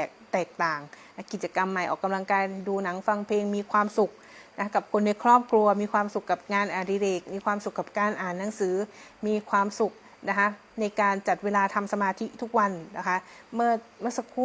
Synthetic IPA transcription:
ɛ˨˩k̚t̪ɛː˨˩k̚t̪aː˨˩ŋ | a˧˥ki˨˩t͡ɕa˧ka˧mːa˨˩jʔɔː˨˩kːa˧mla˧ŋkaː˧jduː˧na˩˦ŋfa˧ŋpʰeː˧ŋmiː˧kʰwaː˧msu˨˩k̚ | na˦˥a˥ka˨˩p̚kʰo˧nda˧˩jkʰɾɔː˥˩p̚kʰɾu˧ɐmiː˧kʰwaː˧msu˨˩kːa˨˩p̚ŋaː˧nʔaː˨˩diː˧ɾeː˨˩k̚miː˧kʰwaː˧msu˨˩kːa˨˩p̚kaː˧nʔaː˨˩nːa˩˦ŋsɯː˩˦miː˧kʰwaː˧msu˨˩k̚ | na˦˥kʰa˦˥ | na˧jkaː˧nt͡ɕa˨˩t̪̚weː˧laː˧t̪ʰa˧msa˧maː˧t̪ʰi˦˥t̪ʰu˦˥k̚wa˧nna˦˩kʰa˦˥ʔmɯ˥˩ɐmɯ˥ɐ˨sa˧kʰuː˧

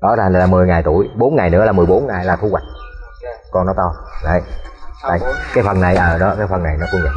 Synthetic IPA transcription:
ɗɔ˨˦t̪ʰaː˨˩˨laː˨˩mɨ˨˩əjŋa˨˩jt̪u˧˩əjɓo˨˦nŋa˨˩jnɨ̰˧˥əlaː˨˩mɨ˨˩əjɓo˨˦nŋaː˨˩jlaː˨˩t̪ʰu˧wa˨˩k̟̚ | kɔ˧nːɔ˨˦t̪ɔ˧zə̰˧˨˩j̪a̰˧˩kaː˨˦jfə˨˩na˨˩jʔəː˨˩ɗɔ˨˦kaː˨˦jfə˨˩nːa˨˩jnɔ˨˦kʊ˧ŋzə˨˩

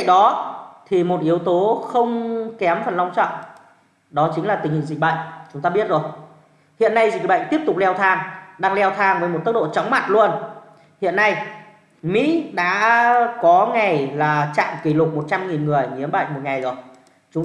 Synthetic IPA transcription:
ɗɔ˨˦t̪ʰi˨˩mo˨˩t̚ʔi˨˦əwt̪o˨˦xə˧wŋ͡mkɛ˨˦mfə˨˩nla˧wŋ͡mt͡ɕɔ̰˧˨ŋ͡m | ɗɔ˨˦t͡ɕi˨˦laː˨˩t̪ï˨˩ŋ̟hḭ˧˨ŋzï˨˩ɓə̰˧˨ŋ̟t͡ɕʊ˨˦ŋ͡mt̪aː˧ɓi˦˥ət̚zo˨˩j | hḭ˧˨ənːa˧jzi˨˩ɓə̰˧˨ŋ̟t̪i˦˥əp̚t̪ʊ˨˩k͡p̚lɛ˧wt̪ʰaː˧ŋɗaː˧ŋlɛ˧wt̪ʰaː˧ŋvəː˨˦jmo˨˩t̚t̪ə˦˥k̚ɗo̰˧˨t͡ɕa˨˦wŋ͡mma̰˧˩t̚lu˧ən | hḭ˧˨ənːa˧j | mḭ˧˥ɗa̰ː˧˥kɔ˨˦ŋa˨˩jlaː˨˩t͡ɕa̰ː˧˨mki˧˩lʊ˨˩k͡p̚mo˨˩t̚t͡ɕa˧mŋi˨˩nŋɨ˨˩əjŋi˨˦əmɓa̰˧˨ŋ̟mo˨˩t̚ŋa˨˩jzo˨˩j | t͡ɕʊ˨˦ŋ͡m

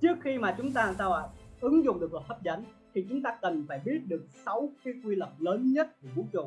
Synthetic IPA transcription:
t͡ɕɨ˦˥ək̚xi˧maː˨˩t͡ɕʊ˨˦ŋ͡mt̪aː˧˨˩saː˧wʔə˨˦jʔɨ˨˦ŋzʊ̰˨ŋ͡mɗɨ˨˩ək̚lɔ˨˩t̪ʰə˦˥p̚za˨˦jŋ̟t̪ʰi˨˩t͡ɕʊ˨˦ŋ͡mt̪aː˧kə˨˩nfaː˧˩jɓi˦˥ət̚ɗɨ˨˩ək̚sa˨˦wkaː˨˦jkwi˧lə˨˩m̚ləː˨˦nɲə˦˥t̚ku˧˩ɓu˨˦t͡ɕo˨˧˩

